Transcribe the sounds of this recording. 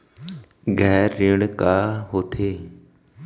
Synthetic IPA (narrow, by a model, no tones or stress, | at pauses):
ɡʱɛːɾːiːɽkaːɦoːt̪ʰeː